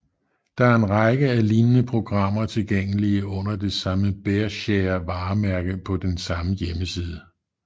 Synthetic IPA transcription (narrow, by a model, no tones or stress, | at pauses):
d̥ɑ̈æɐe̝nʁɑ̈ɡ̥əæliːnənəpʰʁo̝ɡ̥ʁɑ̈m̰ɐt͡sʰe̝lɡ̥eŋ̰əliəɔ̽n̰ɐd̥e̝sɑ̈məb̥eɐɕeɐʋɑ̈ːmæɐɡ̥əpʰɒ̽d̥ensɑ̈məjeməsiːðˠə